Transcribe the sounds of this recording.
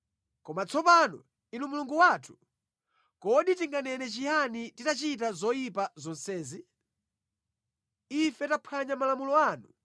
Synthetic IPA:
kɔmat͡sʰɔpanɔ̰ | inumuluŋɡuwatʰu̥ | kɔɗitiŋɡanɛnɛt͡ʃihanititat͡ʃitazɔjipazɔnsɛːzi | ifɛtapʰaɲamalamulɔaːnu

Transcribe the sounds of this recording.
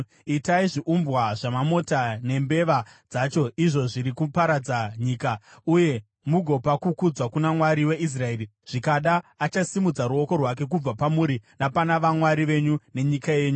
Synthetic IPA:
itaiʐiʔumbwaʐamamo̞tane̞mbe̞ʋad͡zat͡ʃo̞iʐo̞ʐiɾikupaɾad͡zaɲiːkauje̞ | muɡʱo̞pakukud͡zwakunamwaɾiwe̞ʔis̬rae̞ːri | ʐ̥ikaɗaːt͡ʃasimud͡zaɾuo̞ko̞rwak̬e̞k̬ub͡vapamuɾinapanaʋamwaɾiʋe̞ɲune̞ɲikaje̞ːɲu

